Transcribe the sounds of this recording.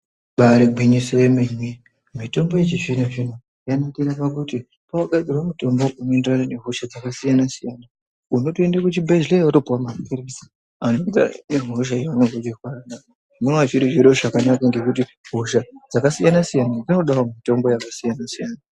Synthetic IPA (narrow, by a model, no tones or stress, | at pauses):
ɓaɾeɡʱwiɲisojemiɲwe | mito̞mbojet͡ʃiʐinaʐin̤u | janakiɾapakuti | pawaɡad͡zirwamuto̞mboʔunoendranane̞ɦuʃad͡zakasijanasijana | uno̞toendekutibʱezlejatopuwamapʰiɾisi̥ | anod͡za̰neɦoʃ̬aiwanoɡoɗikwarana | munwat͡ʃiɾiʐiɾoʐakanakaŋɡe̞kut̬i | ɦuʃad͡zakasijanasijanad͡zino̞ɗaɦwomito̞mbo̞jakasijanasijaːna